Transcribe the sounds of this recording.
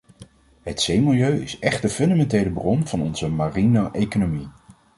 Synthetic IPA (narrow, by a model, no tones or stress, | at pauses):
ɦətsejmɪlˠjøɥɪsɛχd̚dəfɵndamɛntejləbrɔnv̥ɑnɔnzəmarinaʔejkonomi